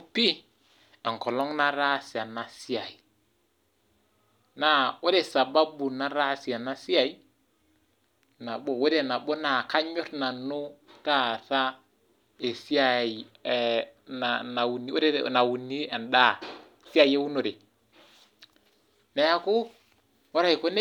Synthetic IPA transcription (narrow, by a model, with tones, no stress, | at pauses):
pi˦ | ɛ˨ŋ˨kɔ˨lɔ˦ŋna˦ɾa˦si˨a˨na˨si˦a˨i˨ | na˨wo˦ɾe˨sa˨ba˦bu˨na˦ɾa˦si˨a˨na˦si˦a˨i˦ | na˨bo˨we˦ɾe˦˨na˨bo˦na˨ka˦ɲɔ˦tna˨nu˦ka˦˨ta˦ | e˨si˦a˨i˨ | na˨na˨wu˨ni˦ɾe˦na˨wu˨ni˦ɛ˨nda˦˨ | si˦a˨je˦wu˦nʊ˨ɾɪ˨ | na˨ja˦kʊ˦ | wɔ˦ɾa˦i˨ko˦ne˦